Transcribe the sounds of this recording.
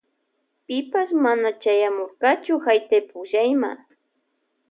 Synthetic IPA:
pɪpasmanat͡ʃajamoɾqɑt͡ʃʊhajt̪ajpʊʒajma̰

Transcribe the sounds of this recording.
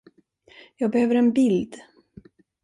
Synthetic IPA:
jɑːɡ̚bɛhøːvəɾɛnbɪld̪

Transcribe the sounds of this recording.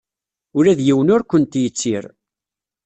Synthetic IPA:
ʊɾæðjiwənʊɾkʷənt̪jət͡sːiɾ

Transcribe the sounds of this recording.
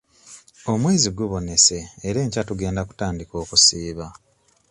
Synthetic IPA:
o̞mwe̞ːziɡuβo̞ne̞se̞ːɾe̞ːɲcatuɡe̞ːndaku̥taːndiko̞ːkusiːβa

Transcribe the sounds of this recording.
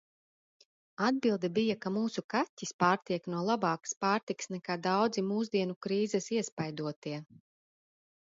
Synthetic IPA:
ad̪̚bilˠd̪ɛbijakamuːsukatʲːispaːɾt̪iɛknuɔlˠabaːkspaːɾt̪iksnɛkaːd̪awd̪zimuːzd̪iɛnukɾiːzɛsiɛspajd̪uɔt̪iɛ

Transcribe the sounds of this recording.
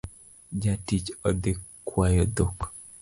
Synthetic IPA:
d͡ʒatit͡ʃɔd̪ekːwajɔd̪ok

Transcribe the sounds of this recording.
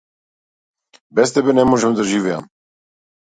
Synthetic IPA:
bɛst̪ɛbɛnɛmoʒɛmd̪aʒivɛja̰m

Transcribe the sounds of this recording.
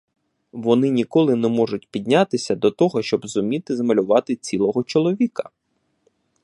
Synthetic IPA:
ʋɔnɪnʲikɔlˠɪnɛmɔʐʊt̚ʲpʲid̪ʲnʲat̪ɪsʲɐd̪ɔt̪ɔɦɔʃt͡ʃɔbzʊmʲit̪ɪzmɐlʲʊʋɑt̪ɪt͡sʲilˠɔɦɔt͡ʃɔlˠɔʋʲikɐ̥

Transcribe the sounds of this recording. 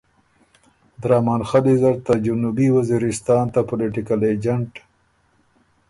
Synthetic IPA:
d̪ɾɑːmɑːnxalizaɾt̪ad͡ʒunubiwaziɾɪst̪ɑːnt̪apʊlɪʈɪkaled͡ʒaɳʈ

